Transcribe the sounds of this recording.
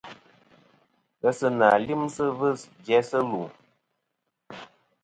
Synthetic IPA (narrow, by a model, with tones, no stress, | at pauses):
ɣə˧sə˧na˨li˦msə˦vɨ˦˨sd͡ʒɛ˦sə˦lu˨